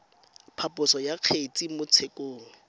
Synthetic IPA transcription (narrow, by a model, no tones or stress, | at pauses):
pʰapʼʊsɔjaq͡χʰet͡sʼimʊt͡sʰekʼoːŋ̩